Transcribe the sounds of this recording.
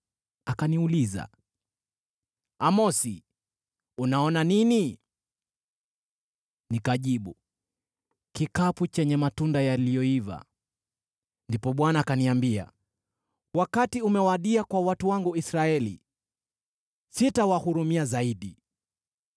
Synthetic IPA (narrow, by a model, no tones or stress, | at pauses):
akaniuliza̰ | amɔsi | unaɔnanini | nikaʄiɓu | kikaput͡ʃɛɲɛmatundajalijɔiva̰ | ndipɔɓwanaːkaniambia̰ | wakatiumɛwaɗiakwawatuwaŋɡuisɾaɛlḭ | sitawahuɾumiazaiɗi